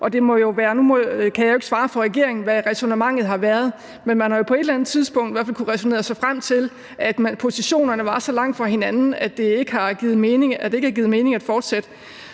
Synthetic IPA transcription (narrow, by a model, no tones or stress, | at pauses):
ʔɒ̽d̥e̝mɒ̽jo̝ʋæːɐnumɒkʰæjɑjoeɡ̥sʋɑ̈ːfɒ̽ʁɛɡ̥e̝ɐe̝ŋn̩ʋæʁɛsonəmɑ̈ŋ̰ð̩ˠɦɑ̈ʋæɐð̞̩ˠ | menmænhɑ̈jo̝pʰɒ̽e̝ɾelænð̩ˠt͡sʰið̞ˠsb̥ɔ̽ŋ̰d̥ʋæɐfælkʰuʁɛsone̝̰ːɐsɑ̈ɪfʁam̰t͡sʰe̝l | ʔæd̥mæpʰo̝siɕo̝̰ːnɐnəʋɑ̈sɒ̽lɑ̈ŋ̰d̥fʁɑ̈he̝nænn̩æd̥e̝eɡ̥əhɑ̈ɡ̥ið̩ˠmeːneæd̥e̝eɡ̥hæ̈ɡiːð̩ˠme̝ːne̝ŋæd̥fɒːd̥sed̥ə